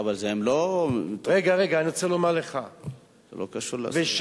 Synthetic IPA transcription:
avalzeemlotʁeɡaʁeɡaːniot͡selomaʁleχa | zḛlokaʃul̰veʃ

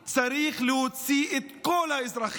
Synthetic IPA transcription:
t͡saɾiχleot͡siʔet̪kolhaezɾaχ

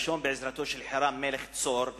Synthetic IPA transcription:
ʃombeʕɪzɾat̪oʃɛlħaɾˤaːmːelext͡soɾv

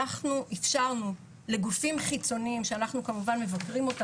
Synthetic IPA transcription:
aχnuʔifʃaʁnu | le̞ɡufimχit͡so̞niimʃeanaχnukamuvanme̞vakʁimo̞ta

